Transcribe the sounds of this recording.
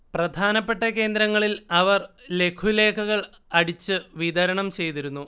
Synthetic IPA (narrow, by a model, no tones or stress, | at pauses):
prɐd̪ʱaːnɐpːe̞ʈːɐke̞ːnd̪ɾɐŋːɐɭilɐʋɐrle̞kʰule̞ːkʰɐɣɐɭ | ɐɽit͡ɕːɨʋid̪ɐɾɐɳɐmt͡ɕe̞jt̪iɾunːu